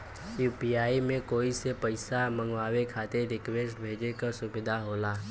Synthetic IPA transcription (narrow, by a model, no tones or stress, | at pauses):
juːpiaːimẽkoːisepəɪsamə̃ŋɡʋaːwekʰaːt̪eɾɾɪkʋeːsʈbʱeːd͡ʒekəsʊbɪd̪ʱaɦoːlaː